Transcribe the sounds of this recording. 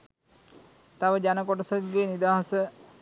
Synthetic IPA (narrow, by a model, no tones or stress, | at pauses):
t̪aʋəd͡ʑanəkɔʈəsət̪̚ɡeːnid̪aɦasə